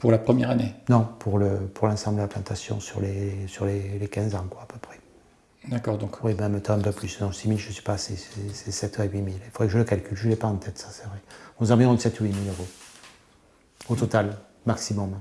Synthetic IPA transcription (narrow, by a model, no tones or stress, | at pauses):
puʁlapχəmjɛʁanenɔ̃pʰuʁləpuʁlɑ̃sɑ̃mbləd̪əlaplɑ̃t̪asjɔ̰̃syʁlesyʁlelekɛ̃zɑ̃kwaːpøpχɛ̥ | d̪akɔʁd̪ɔ̃kwibɛ̃ɛ̃mət̪ɑ̃ɛ̃pøplysd̪ɔ̃similʒəsɥi̥paːsesɛsɛsɛt̪œʁeɥimilifod̪ʁɛkəʒələkalkʲylʒəlɛpaɑ̃t̪ɛt̪sḁsɛvʁɛɔ̃zɑ̃viʁɔ̃d̪əsɛt̪uɥimiløʁo | ot̪ɔt̪al | maksimɔm